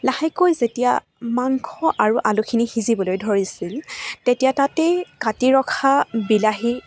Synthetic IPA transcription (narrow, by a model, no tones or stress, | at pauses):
lahɛkojzetija̰ | maŋkʰɔʔaɹuʔalukʰinihizibɔlojdʱoɹisiltetijatatekatiɹɔkʰabilaɦi